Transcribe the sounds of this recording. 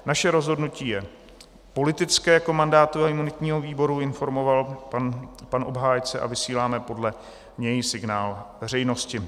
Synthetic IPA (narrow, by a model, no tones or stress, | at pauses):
naʃɛɾo̞zɦo̞dnuciːjɛ | po̞lɪt̪ɪt͡skɛːjakomandaːt̪uaɪmunɪt̪ɲiːɦo̞viːbo̞ɾuɪnfo̞ɾmo̞valnpanʔo̞bɦaːjt͡sɛʔa̰vɪsiːlaːmɛpo̞dlɛ | ɲɛjsɪɡnaːlvɛr̝ɛjno̞scɪ